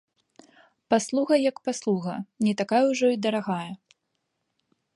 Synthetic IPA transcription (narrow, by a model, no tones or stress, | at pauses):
paslˠuɣɐjɐkpaslˠuɣɐnʲɛt̪akajɛwʐɔid̪ɐɾaɣajɐ